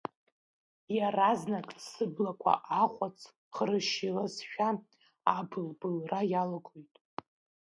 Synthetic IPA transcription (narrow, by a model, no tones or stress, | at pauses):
jaraznakʼsɨblakʷʰa̰ʔaχʷʼat͡sʰ | χrɨʃilasʃᶣa | abɨlbɨlrajalɡʼojtʼ